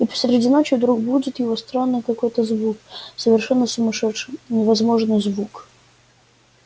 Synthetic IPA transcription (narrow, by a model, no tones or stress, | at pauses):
ipə̥sʲɾʲɪdʲinot͡ɕɪvd̪ɾuɡbudʲɪt̪jɪvost̪ɾanːɨjkɐko̞jt̪əzvuk̚səvʲɪrʂɛnːəsəmɐʂɛʂɨmnʲɪvɐzmo̞ʐnɨjzvuk